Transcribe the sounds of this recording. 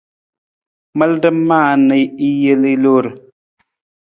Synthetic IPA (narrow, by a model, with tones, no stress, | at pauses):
mə˦ldə˦mmːaː˦˨nə˨i˦je˦li˦lo˦ɾ